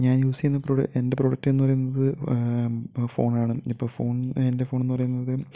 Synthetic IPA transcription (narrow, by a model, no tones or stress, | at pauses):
ɲaːnjuːsiunːɐproɽɐ̰ende̞pro̞ːɽɐk̚tːɨenːupɐrɐjunːɐðɨ | fo̰ːɳaːɳɨipːo̞ːɭfo̞ːɳendefo̞ːɳenːupɐrɐjunːɐðɨ